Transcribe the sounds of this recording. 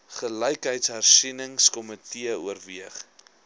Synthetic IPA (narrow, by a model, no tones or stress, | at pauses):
χələjkɦəjtsɦærsinəŋskɔmətiəuərviəχ